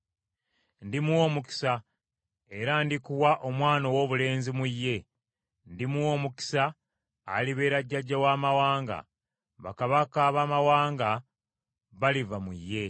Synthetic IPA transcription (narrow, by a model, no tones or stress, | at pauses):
ndimuwo̞ːmuki̥sa | eɾaːndikuwaʔo̞mwaːno̞wo̞ːβule̞ːnzimujːe̞ | ndimuwo̞ːmuki̥sa̰ː | liβe̞ːɾaɟːaɟːawaːmawaːŋɡa̰ | βa̰kaβakaβamawaːŋɡa | βalivamujːe̞